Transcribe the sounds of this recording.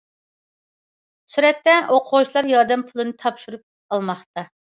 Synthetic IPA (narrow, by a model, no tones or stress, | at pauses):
syɾɛt̪ːɛʔoqʰoʁt͡ʃʰlˠɑɾjɑɾd̪ɛmpʰulˠɨnɨt̪ʰɑpʃuɾup̚ | ɑlˠmɑχt̪ɑ